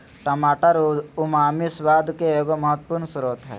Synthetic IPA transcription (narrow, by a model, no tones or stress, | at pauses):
ʈɐmaːʈəɾʊmaːmisʋaːd̪keeːɡomɐɦət̪ːpuɾɳsɐɾut̪ɦɛ̰ː